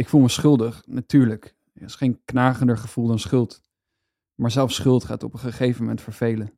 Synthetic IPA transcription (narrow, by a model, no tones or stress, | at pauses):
ɪkfulˠməsχɵlˠdəχnatyːɹlək | ɪsχejnknaːχəndəɹχəv̥ulˠdɑnsχɵlˠt | maːɹzɛlˠfsχɵlˠtχaːtɔpənχəχejvəmɛntfəɹv̥ejlə